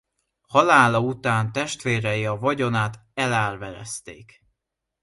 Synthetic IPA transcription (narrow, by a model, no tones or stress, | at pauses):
hɒlaːlɒut̪aːnt̪ɛʃt̪ʋeːɾɛjiɒvɒɟo̞naːt̪ɛlaːrvɛɾɛ̰st̪ḛːk